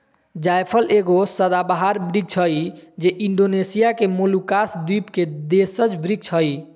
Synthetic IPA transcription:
d͡ʒajpʰəlʔeɡosəd̪abaɦaɾbɾiɡ̚t͡ʃʰəjd͡ʒeʔiɳɖonesijakemolukasd̪ipked̪esət͡ʃbɾiɡ̚t͡ʃʰəj

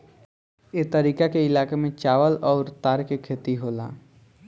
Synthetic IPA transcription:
et̪əɾiːkakeɪlaːkemẽt͡ʃaːʋəlɔːɾt̪aːɾkekʰeːt̪iɦoːla̰ː

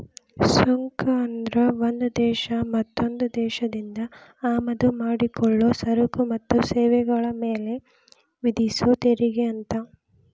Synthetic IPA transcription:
soŋkɐɐnd̪ɾɐʋond̪ud̪ɛːʃɐmɐt̪ːo̞nd̪ud̪ɛːʃɐd̪ind̪ɐaːmɐd̪umaːɽikɔɭːoːsɐɾukumɐt̪ːusɛːʋɛɡɐɭɐmeːle̞ | ʋid̪isot̪eɾiɡeɐnt̪ɐ

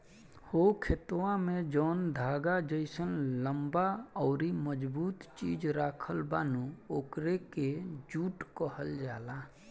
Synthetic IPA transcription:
hokʰɪt̪wãmẽd͡ʒɔːnd̪ʱaːɡad͡ʒəɪsənləmbaɔːɾiməd͡ʒbuːt̪t͡ʃiːd͡ʒɾaːkʰəlbaːnuoːkɾeked͡ʒuːʈkəɦəld͡ʒaːla

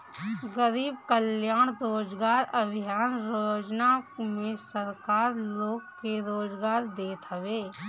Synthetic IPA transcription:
ɡəɾiːbkəljaːɽ̃ɾoːd͡ʒɡaːɾəbʱɪjaːnɾoːd͡ʒnamẽsəɾkaːɾloːɡkeɾoːd͡ʒɡaːɾd̪eːt̪ɦəʋeː

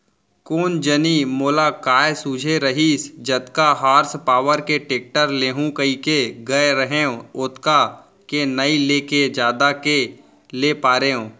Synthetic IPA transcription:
koːnd͡ʒənimoːlakaːjsuːd͡ʒʱeɾəɦiːsd͡ʒət̪kaɦaːɾspaːwəɾkeʈeːk̚ʈəɾleːɦũkəikeɡəeɾəɦeõʊt̪ka | kenəileːked͡ʒjaːd̪ake | lepaːɾeːõː

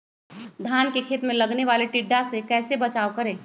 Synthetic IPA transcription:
d̪ʱjaːnkekʰeːt̪mẽlɐɡneʋaːleʈɪɖːasekɛːsebɐt͡ʃaːʋkɐɾẽː

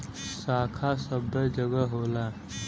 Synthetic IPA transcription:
saːkʰasəbəd͡ʒəɡəɦoːla

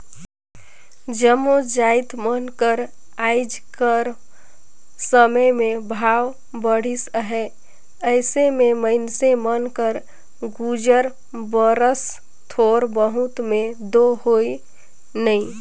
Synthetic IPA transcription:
d͡ʒəmod͡ʒajt̪mənkəɾ | aɪd͡ʒkəɾ | səməjmẽbʱaw | bəɽ̤isɦɛ | əɪsememəɪnsemənkəɾ | ɡud͡ʒəɾ | bəɾəs | t̪ʰoɾbəɦut̪mẽd̪oɦoi | nəĩ

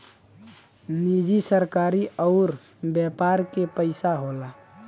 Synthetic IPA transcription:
nid͡ʒisəɾkaːɾiʔɔʊɾ | bjɛpaːɾkepəɪsaɦola

